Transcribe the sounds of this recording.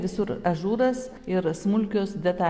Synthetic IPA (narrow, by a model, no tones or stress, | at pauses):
ʋʲɪsʊɾɐʒuːɾɐs | ɪɾsmʊlʲkʲoːsd̪ʲɛt̪ɑː